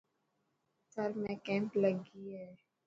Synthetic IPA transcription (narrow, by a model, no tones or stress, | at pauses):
səɾmɛ̃kɛ̃ːmpləɡiɦɛː